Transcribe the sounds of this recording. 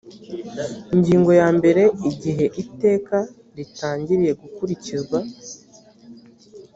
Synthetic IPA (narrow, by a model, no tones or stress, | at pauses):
iɲɟiːŋɡo̞jaːmbe̞ɾe̞iɟiɦe̞ʔite̞ːka | ɾitaːɲɟiɾije̞ɡukuɾiciɾɡwa